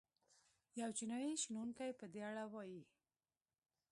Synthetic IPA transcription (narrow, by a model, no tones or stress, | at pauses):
jawt͡ʃinɑjiʃinuŋkajpəd̪eaɽawɑji